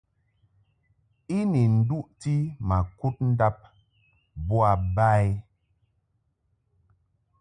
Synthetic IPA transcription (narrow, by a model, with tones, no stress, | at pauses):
i˦ni˨n̩˨du˦ʔti˦ma˨ku˦t̚n̩˦da˦p̚ | bu˦a˨ba˦j